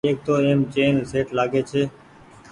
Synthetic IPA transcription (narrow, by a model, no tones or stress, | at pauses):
eːk̚t̪oːeːmt͡ʃeːnseːʈlaːɡeːt͡ʃʰeː